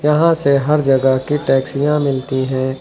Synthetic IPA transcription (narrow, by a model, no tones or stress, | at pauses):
jɐɦãseɦɐɾd͡ʒɐɡəɦkiʈɛːksɪjãmɪlt̪iɦɛ̃ː